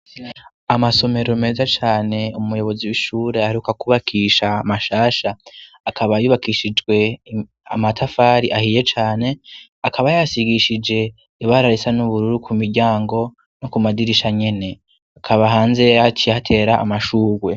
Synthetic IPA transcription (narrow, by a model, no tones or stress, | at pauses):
amaso̞me̞ɾome̞ːzat͡ʃaːne̞umujo̞βo̞ziwiʃuːɾe̞aaɾiukakuβakʰiʃaːmaʃaːʃaː | kʰaβajuβakiʃid͡ʒɡwe̞ | a̰matʰafaːɾiʔahije̞t͡ʃaːne̞ | akʰaβajasiɡiʃid͡ʒe̞ | iβaɾaɾisanuβuɾuɾukʰumiɾɟaːŋɡo̞ | nokumadiɾiʃaɲe̞ne̞ | akʰaβaɦaːnze̞at͡ʃihatʰe̞ːɾaʔːmaʃuːɡwe̞